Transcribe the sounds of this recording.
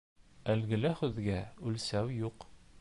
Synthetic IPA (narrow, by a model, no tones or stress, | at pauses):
ælɡɘ̆læχʉðɡæʉlsæwjuq